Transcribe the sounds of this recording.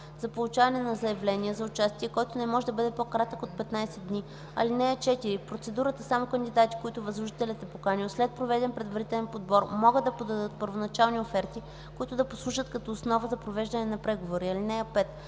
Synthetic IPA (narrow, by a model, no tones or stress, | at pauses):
zɐpolˠut͡ʃavɐnɛnɐzɐjɛvlɛnʲiəzɐʊt͡ʃast̪iɛkɔjt̪ʊnɛmɔʒɛd̪ɐbɤd̪ɛpokɾat̪əkot̪̚pɛt̪najsɛd̪ni | ɐ̰linɛɐt͡ʃɛt̪iɾipɾot̪sɛd̪uɾət̪əsamokənd̪id̪at̪i̥koit̪ʊvɐzlˠʊʒit̪ɛlɛt̪ɛpokaniʊslɛt̪̚pɾovɛd̪ɛnpɾɛd̪vɐɾit̪ɛlɛnpod̪bɔɾmɔɡɤd̪ɐpod̪ɐd̪ɤt̪̚pəɾvonɐt͡ʃalˠniofɛɾt̪i | koʊit̪ʊd̪ɐposlˠuʃət̪kɐt̪ɔːsnɔvəzɐpɾovɛʒd̪ɐnɛnɐpɾɛɡovoɾiɐlinɛɐpɛt̪